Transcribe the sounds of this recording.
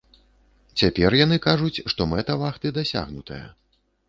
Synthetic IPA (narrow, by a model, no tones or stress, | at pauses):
t͡sʲapʲɛrjan̪ɨkaʐut͡sʲʂt̪ɔmɛt̪ɐvaxt̪ɨd̪asʲa̰ɣnut̪ɐjɐ̰